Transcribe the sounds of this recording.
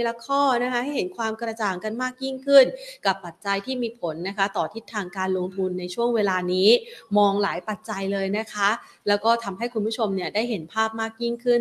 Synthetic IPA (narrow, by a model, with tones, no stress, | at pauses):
la˧kʰɔː˥˩na˦˥kʰa˦˥ɦa˥˩jɦe˩˦nkʰwaː˧mkɾa˧t͡ɕaː˨˩ŋka˧nmaː˥˩k̚ji˥˩ŋkʰɯ˥˩nka˨˩pːa˨˩t̪̚t͡ɕa˧jt̪ʰiː˥˩miː˧pʰo˩˦nːa˦˥kʰa˦˥t̪ɔː˨˩t̪ʰi˦˥t̪ʰːaː˧ŋkaː˧nlo˧ŋt̪ʰu˧nːa˧jt͡ɕʰu˥˩əŋweː˧laː˧niː˦˥mɔː˧ŋlaː˩˦jpa˨˩t̪̚t͡ɕa˧jlɤː˧jna˦˥kʰa˦˥ | lɛː˦˥wkɔː˥˩t̪ʰa˧mɦa˥˩jkʰu˧npʰu˥t͡ɕʰo˧mni˥˩ədaː˥˩jɦe˩˦npʰaː˥˩p̚maː˥˩k̚ji˥˩ŋkʰɯ˥˩n